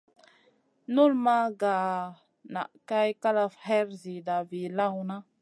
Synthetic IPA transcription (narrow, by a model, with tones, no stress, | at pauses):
nu˦lma˦ɡa˨ | na̰˨ʔka˦jka˦la˨fhe˦ɾzi˨da˨vi˨la˦wna˦